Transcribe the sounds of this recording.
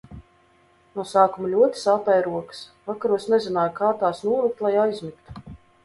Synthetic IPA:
nusaːkumlʲuɔt̪i̥sapɛjɾuɔkɨ̥svakaɾuɔsnɛzinaːjkaːt̪aːsnuɔlˠik̚t̪lˠajajzmikt̪u̥

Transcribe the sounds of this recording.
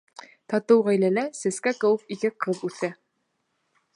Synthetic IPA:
t̪ɑt̪ɤwʁæjlælæsɘ̆skækɘ̆wɘfikɘqɤðʉθæ

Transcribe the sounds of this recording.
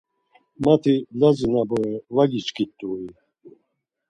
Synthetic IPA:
mat̪ʰilazinabɔɛvaɡit͡ʃkʰʼit̪ʼːui

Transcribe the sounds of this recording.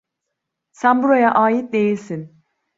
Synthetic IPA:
sænbuɾajaʔaːjit̪̚d̪e̞jilʲsin

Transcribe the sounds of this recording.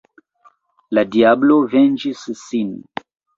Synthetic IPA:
ladiablovend͡ʒisːin

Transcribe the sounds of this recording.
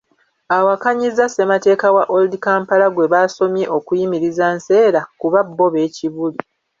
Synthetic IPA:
awakaɲizase̞mate̞ːkawaʔoldikaːmpalaɡwe̞βaːso̞mje̞ʔo̞kujimiɾizanse̞ːɾakuβabːo̞βe̞ːciβuli

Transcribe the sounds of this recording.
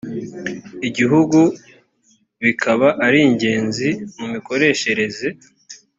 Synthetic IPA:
iɟiɦuɡu | βikʰaβaʔaɾiɲɟe̞ːnzimumiko̞ɾe̞ːʃe̞ɾe̞ze

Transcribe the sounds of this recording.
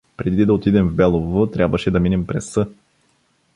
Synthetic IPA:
pɾɛd̪id̪ɐot̪id̪ɛmvbɛlˠovot̪ɾʲabvəʃɛd̪ɐminɛmpɾɛsːɤ

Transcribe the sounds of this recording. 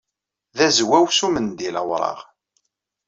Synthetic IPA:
ðæzwæwsumənd̪iləwɾˤɑ̰ʁ

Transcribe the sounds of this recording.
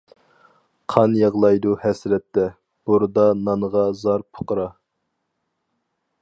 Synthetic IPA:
qʰɑnjɑʁlˠɑjd̪uhɛsɾɛt̪ːɛ | b̥uɾɨd̪ɑnɑnəʁɑzɑɾpʰo̥qəɾɑ

